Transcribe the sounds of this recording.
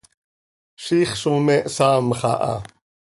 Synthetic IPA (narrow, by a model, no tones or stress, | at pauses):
ʃiːχʃumɛʔsaːmχa̰ʔa̰